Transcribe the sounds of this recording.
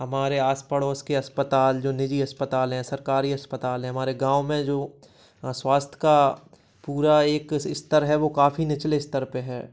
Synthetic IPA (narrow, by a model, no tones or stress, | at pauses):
ɦɐmaːɾeaːspəɽoːskeɐspət̪aːld͡ʒoːnɪd͡ʒiɐspət̪aːlɦɛ̃sɐɾkaːɾiɐspət̪aːlɦɛ̃ɦɐmaːɾeɡãːwmẽd͡ʒoː | swaːst̪ʰjəka | puːɾaeːkɪst̪əɾɦɛʋokaːfinɪt͡ʃleɪst̪əɾpeɦɛː